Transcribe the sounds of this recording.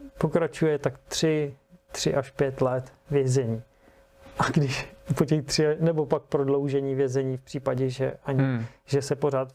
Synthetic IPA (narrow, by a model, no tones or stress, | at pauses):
po̞kɾat͡ʃujɛt̪akt̪r̝̥ɪt̪r̥ɪʔaʃpjɛt̪lɛt̪ | vjɛzɛɲiː | ʔaɡdɪʃpocɛxt̪r̥ɪnɛbopak̚pɾodlo̞wʒɛɲiːvjɛzɛɲiːfpr̝̥iːpaɟɛʒɛ̰ʔaɲɪʒɛsɛpo̞raːt̪